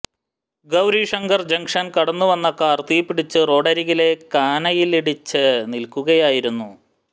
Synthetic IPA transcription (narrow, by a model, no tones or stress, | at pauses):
ɡɐwɾiʂɐŋɡɐrd͡ʑɐŋkʂɐnkɐɽɐnːuʋɐnːɐkːɐːrt̪ijpːiɽit͡ɕːɨro̞ːɽɐɾiɣile̞kaːnɐjiliɽit͡ɕːɨnilkuɣɐjaːjiɾunːu